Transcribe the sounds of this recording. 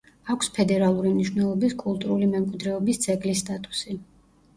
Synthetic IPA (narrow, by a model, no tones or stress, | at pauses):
akʷʰspʰɛd̪ɛɾalˠuɾimniʃwnɛlˠɔbiskʼulˠt̪ʼuɾulimɛmkʼwid̪ɾɛɔbist̪sʰʼɛɡlisːt̪ʼat̪ʼu̥si